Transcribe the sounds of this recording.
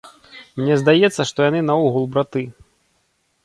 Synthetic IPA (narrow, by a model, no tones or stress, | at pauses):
mnʲɛzd̪ajɛt̪sːɐʂt̪ɔjan̪ɨnaɔɣulˠbɾat̪ɨ